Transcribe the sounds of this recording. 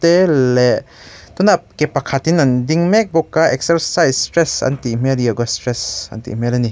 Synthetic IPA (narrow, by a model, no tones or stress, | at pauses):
tele | tunap̚kepakʰatinandiŋmek̚bɔkːaek̚sɐɾsajsstɾesa̰ntiːmelijaɡastɾesa̰ntḭimelani